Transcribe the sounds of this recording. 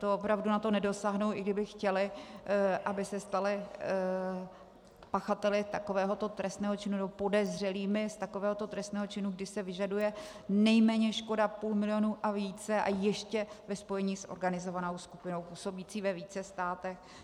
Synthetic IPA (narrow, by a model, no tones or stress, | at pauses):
t̪oopɾavdunat̪o̞nɛdo̞saːɦnowʔɪɡdɪbɪxcɛlɪ | ʔabɪsɛst̪alɪ | paxat̪ɛlɪt̪akovɛːɦo̞t̪o̞t̪ɾɛst̪nɛːɦo̞t͡ʃɪnunɛbopo̞dɛzr̝ɛliːmɪst̪ako̞vɛːɦo̞t̪o̞t̪ɾɛst̪nɛːɦo̞t͡ʃɪnuɡdɪsɛvɪʒadujɛ | nɛjmɛːɲɛʃko̞dapuːlmɪlɪjonuːʔaviːt͡sɛʔa̰jɛʃcɛvɛspo̞jɛɲiːsʔo̰ɾɡanɪzo̞vanowskupɪnowpuːso̞biːt͡siːvɛviːt͡sɛst̪aːt̪ɛx